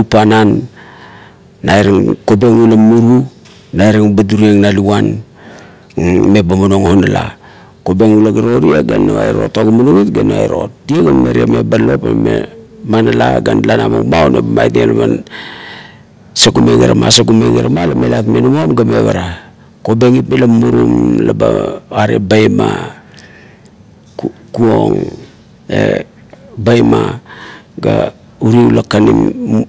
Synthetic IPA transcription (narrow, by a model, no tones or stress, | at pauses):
upanan | ajɾaŋkobeŋulamuɾu | najɾaŋubaduɾieŋnaluwan | mebamonoŋhonala̰ | kobeŋulaɡaɾoɾieɡanoa̰jɾo̞̰taɡumunoɡitɡanoa̰jɾo̞t̚dieɡameɾiamebalo̞pamḛmanala̰ɡanlanamo̰mawnebamajtenaman | saɡumeŋeɾama̰saɡumeŋeɾamalamelatmenamomɡameβaɾa | kobeŋitmelamuɾumlabaaɾebajma | kuoŋ | ḛ | bajma | ɡa | uɾiulakanim